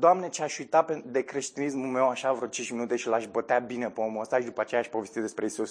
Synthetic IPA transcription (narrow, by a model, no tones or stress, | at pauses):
d̪oamne̞t͡ʃeaʃujt̪aped̪e̞kɾe̞ʃt̪inismume̞waʃavɾot͡ʃint͡ʃminut̪e̞ʃilaʃbot̪eabinepeomuəst̪aʃid̪upəat͡ʃejaːʃʲpo̞vest̪it̪d̪espɾeisus